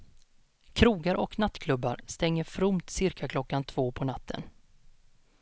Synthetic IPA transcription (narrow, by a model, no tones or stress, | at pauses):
kʰɾuːɡaɾʔɔ̰knat̪ːkʰlɵbːa̰ɾst̪ɛŋːəɾfɾʊmt̪sɪɾkʰakʰlɔkːant̪ʰv̥oːpʰɔnat̪ːə̰n